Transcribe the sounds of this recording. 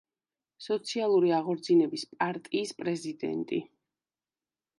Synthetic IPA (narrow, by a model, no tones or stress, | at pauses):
sɔt̪sʰialˠuɾiaʁɔɾd̪zinɛbispʼaɾt̪ʼiːspʼɾɛzid̪ɛ̰nt̪ʼi